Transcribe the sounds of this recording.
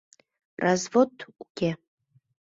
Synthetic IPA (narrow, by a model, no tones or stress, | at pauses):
razvotʰuɡʲe